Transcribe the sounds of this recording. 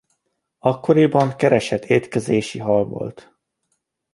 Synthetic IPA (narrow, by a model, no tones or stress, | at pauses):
ɒkːo̞ɾibɒŋkɛɾɛʃɛt̪ʰːeːt̪kɛzeːʃiɦɒlvo̞̰lt̪